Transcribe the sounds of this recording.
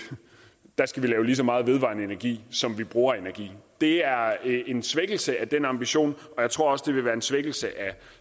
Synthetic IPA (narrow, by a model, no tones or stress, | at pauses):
d̥ɑ̈sɡ̥æʋilɛːʊlisɒ̽mɑ̈ːð̩ˠʋe̝ðˠʋɑ̰̈nəe̝næɐɡ̥ḭːsɒ̽mʋib̥ʁuːɐe̝næɐɡ̥ḭːd̥e̝æɐe̝nsʋeɡ̥l̩səæd̥enɑ̈mb̥iɕo̝̰ːnɒ̽jɑ̈ɪt͡sʰʁo̝ɐɒ̽sd̥e̝ʋe̝ʋæːɐensʋeɡ̥l̩səʔæ